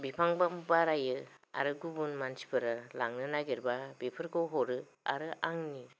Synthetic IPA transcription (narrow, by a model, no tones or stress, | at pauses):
bipʰaŋbambaɾajɯa̰ɾɯɡubunmansi̥pʰɯɾɯlaŋnɯnaɡiɾbabipʰɯɾkowɦɔɾɯ | a̰ɾɯʔaŋni